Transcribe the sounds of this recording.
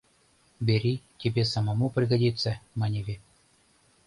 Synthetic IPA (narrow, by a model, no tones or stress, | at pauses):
bʲeɾʲitʲebʲesɑmamuprʲiɡadʲit̪t͡sːəmɑnʲevʲe